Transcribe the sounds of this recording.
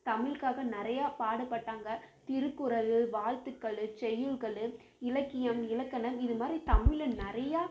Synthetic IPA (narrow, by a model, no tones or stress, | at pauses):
t̪ɐmɪlkaːɣɐnɪɾɐjaːpaːɽɐpːɐʈːaːŋɡɐt̪ɪɾɯkːɯɾɐlɯʋaːɻt̪ɯkːɐɭɯt͡ʃɛjːɯlɣɐɭɯ | ɪlɐkːɪjɐmɪlɐkːɐnɐmɪðɯmaːd̪ɾit̪ɐmɪlɯnɪɾɐjaː